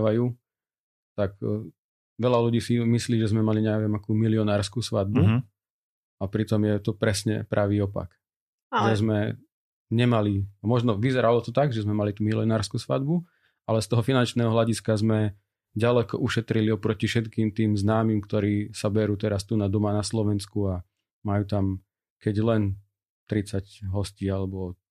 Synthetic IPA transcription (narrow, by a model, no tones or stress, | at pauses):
ʋajuː | t̪ak | ʋɛʎaluɟiːsimisliːʒɛzmɛmaliɲɛʋɪɛmakuːmiliɔnaːɾskuːsʋad̪̚bu | apɾit̪ɔmjɛt̪ɔpɾɛsɲɛ̰pɾʔaʋiːɔpa̰k | ʒɛzmɛ | ɲɛmaliamɔʒnɔʋizɛɾalɔt̪ɔt̪aɡʒɛzmɛmalit̪uːmiliɔnaːɾskuːsʋa̰d̪bu | alɛst̪ɔɦɔfinant͡ʃnɛːɦɔɦlaɟiskazmɛ | ɟalɛkɔ̰ʔuʃɛt̪ɾiliɔpɾɔcifʃɛt̪kiːmt̪iːmznaːmimkt̪ɔɾiːsabɛɾuːt̪ɛɾast̪uːnad̪ɔmanaslɔʋɛnskua | majuːt̪am | kɛɟlɛn | t̪ɾit͡sacɦɔsciːalɛbɔ